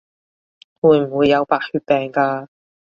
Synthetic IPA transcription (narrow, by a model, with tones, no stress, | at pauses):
wuː˨˧jm̩˨˩wuː˨˧jːɐ˨˧wpaː˨˩k̚hyː˧t̚pɛː˨˧ŋkaː˧